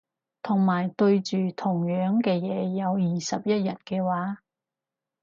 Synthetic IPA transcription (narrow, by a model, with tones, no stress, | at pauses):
t̪ʰʊ˨˩ŋmaː˨˩jt̪ɵ˧ɥt͡ʃyː˨t̪ʰʊ˨˩ŋjœː˨˥ŋkɛː˧jɛː˨˧jɐ˨˧wjiː˨˩sɐ˨p̚jɐ˥t̚jɐ˨˩t̚kɛː˧waː˨˥